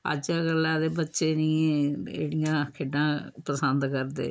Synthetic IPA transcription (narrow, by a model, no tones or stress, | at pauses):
ə̰d͡ʒaɡəlːaːd̪eːbətːʃeːnĩːẽḛːɽijãːkʰeɖãːpəsənd̪kəɾd̪ḛː